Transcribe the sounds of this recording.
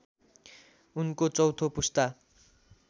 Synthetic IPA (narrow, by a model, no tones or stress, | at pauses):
unkot͡sʌwt̪ʰopust̪a